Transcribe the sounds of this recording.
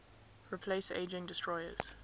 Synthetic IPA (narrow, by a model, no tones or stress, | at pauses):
ɹipʰleɪsḛɪd͡ʒɪ̃ŋdɪstʰɹ̥ɔɪə̰z̥